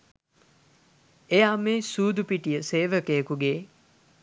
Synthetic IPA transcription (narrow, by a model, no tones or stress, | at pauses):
ejaːmeːsuːd̪upiʈijəseːʋəkejəkuɡe